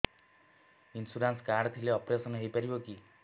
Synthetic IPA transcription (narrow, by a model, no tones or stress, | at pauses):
insuɾanskaɾɖt̪ʰileɔpɾesɔnɦejpaɾiboki